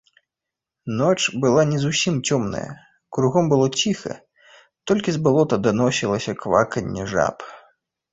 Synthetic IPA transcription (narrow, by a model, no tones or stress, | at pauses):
nɔt͡ʂbɨlˠanʲɛzusʲimt͡sʲɔmnɐ̰jɐ̰ | kɾuɣɔmbɨlˠɔt͡sʲixɐ̰ | t̪ɔlʲkʲizbalˠɔt̪ɐd̪anɔsʲilˠɐsʲɐkva̰kɐnʲːɛʐa̰p